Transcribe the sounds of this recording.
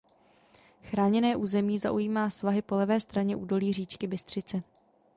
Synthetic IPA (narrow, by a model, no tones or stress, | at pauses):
xɾaːɲɛnɛːʔuːzɛmiːza̰ʔujiːmaːsvaɦɪpo̞lɛvɛːst̪ɾaɲɛʔuːdo̞liːriːt͡ʃkɪbɪst̪r̝̥ɪt͡sɛ